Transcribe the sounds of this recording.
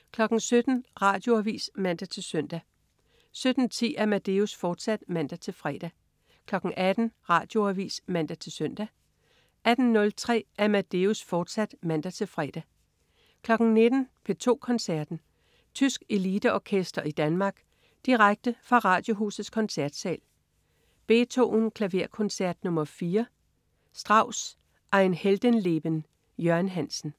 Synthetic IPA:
kʰlɒ̽ɡ̥n̩sød̥n̩ʁɑ̈ːd̥jo̝æʋḭːsmæn̰d̥æt͡sʰe̝lsøn̰d̥æ | sød̥n̩t͡sʰḭːæɐmæd̥e̝usfɒːd̥sæd̥mæn̰d̥æt͡sʰe̝lfʁɛːd̥æ | kʰlɒ̽ɡ̥ŋ̩ʔæd̥n̩ʁɑ̰̈ːd̥jo̝æʋḭːsmæn̰d̥æt͡sʰe̝lsøn̰d̥æ | æd̥n̩nɔ̽lt͡sʰʁɛ̰ːæɐmæd̥e̝usfɒːd̥sæd̥mæn̰d̥æt͡sʰe̝lfʁɛ̰ːd̥æ | kʰlɒ̽ɡ̥n̩ne̝d̥n̩pʰe̝t͡sʰo̝̰ːkʰɒ̽nsæɐd̥n̩ | t͡sʰysɡ̥e̝lid̥əɒkʰesd̥ɐʔid̥ænmɑ̈ːɡ̥ | d̥iʁaɡ̥̚d̥əfʁɑ̈ʁɑ̈ːd̥jo̝ɦṵːsð̩ˠskʰɒ̽nsæɐ̰d̥sɛ̰ːl | b̥e̝̰ːt͡sʰo̝̰ːnkʰlæʋe̝ɐ̰kʰɒ̽nsæɐ̰d̥nɔ̽mɐfiːɐ | sd̥ʁɑ̈ʊ̰s | ʔɑ̈ɪnheld̥ənle̝b̥ən | jøɐnɦæn̰sn̩

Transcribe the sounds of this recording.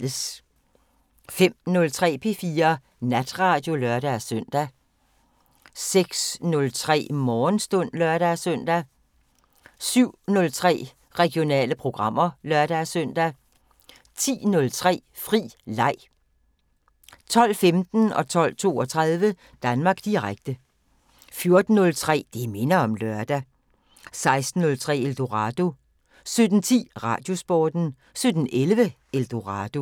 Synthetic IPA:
s | fem̰nɔ̽lt͡sʰʁɛ̰ːpʰe̝fiːɐ | næd̥ʁɑ̈ːd̥jo̝lœɐɾ̥æsœn̰d̥æ | seɡ̥snɔ̽lt͡sʰʁɛ̰ːmɒːnsd̥ɔ̽n̰lœɐɾ̥æsœn̰d̥æ | syʊ̰nɔ̽lt͡sʰʁɛ̰ː | ʁɛɡ̥jo̝nɛ̰ːləpʰʁo̝ɡ̥ʁɑ̈m̰ɐlɶɐd̥æsœn̰d̥æ | t͡sʰḭːnɔ̽lt͡sʰʁɛ̰ː | fʁḭːlɑ̈ɪ̰ | t͡sʰɒ̽l̰femd̥n̩ɒ̽t͡sʰɒ̽l̰t͡sʰo̝ːɒ̽t͡sʰʁað̞ˠʋə | d̥ænmɑ̈ːɡ̥d̥iʁaɡ̥̚d̥ə | fjo̝ɐd̥n̩ːɔ̽lt͡sʰʁɛ̰ːd̥eme̝nɐɒ̽mlœɐd̥æ | sɑ̈ɪsd̥n̩ːɔ̽lt͡sʰʁɛ̰ːeld̥o̝ʁɑd̥o̝ | sød̥n̩t͡sʰḭːʁɑ̰̈ːd̥jo̝sb̥ɒːd̥n̩ | sød̥n̩ʔelʋə | eld̥o̝ʁɑd̥o̝

